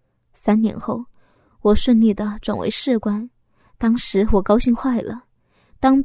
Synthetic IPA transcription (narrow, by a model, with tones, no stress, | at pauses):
sa˥nnjɛ̰˧˥nxo˥˩ʊ | wɔ˨˩ʂwə˥˧nli˥˩d̪ə˩ʈ͡ʂwa˨˩nwḛ˧˥ɪʂɻ̩˥˩kwa˥n | t̪ɑ˥ŋʂɻ̩˧˥wɔ˨˩kɑ˥ʊɕi˥˧ŋxwa˥˩ɪlə̰˩ | t̪ɑ˥ŋ